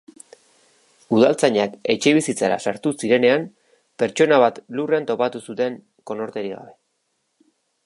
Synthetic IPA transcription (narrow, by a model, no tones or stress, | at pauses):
uðalt͡saɲake̞t͡ʃe̞β̞isit͡saɾa̰saɾt̪usiɾe̞ne̞am | pe̞ɾt͡ʃo̞naβat̪lure̞ant̪o̞pat̪usut̪e̞ŋ | ko̞no̞ɾt̪e̞ɾiɣa̰βe̞